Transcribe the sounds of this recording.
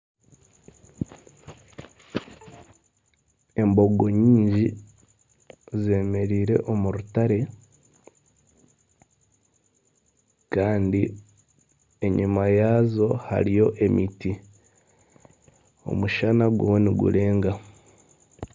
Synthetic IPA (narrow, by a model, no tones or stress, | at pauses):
e̞mbo̞ɡo̞ɲiːɲɟi | ze̞ːme̞ɾiːɾe̞̰ʔo̞muɾutaɾe̞ | kaːndi | e̞ɲimajaːzo̞ha̰ɾijo̞ʔe̞miti | o̞̰muʃanaɡwḛweniɡṵle̞ːŋɡa